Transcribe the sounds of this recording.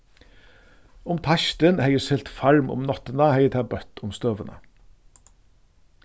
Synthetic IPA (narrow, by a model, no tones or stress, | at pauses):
ʊmt̪ʰɑçt̪ənheɪəsɪlt̪fɑɾmʊ̰mnɑt̪ənəheɪət̪ʰæːbœt̪ʊmst̪øːʋənʔə̰